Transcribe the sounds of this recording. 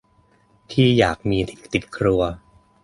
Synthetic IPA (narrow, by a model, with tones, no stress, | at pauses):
t̪ʰiː˥˩jaː˨˩k̚miː˧t̪i˩t̪i˨˩t̪̚kʰɾu˧ɐ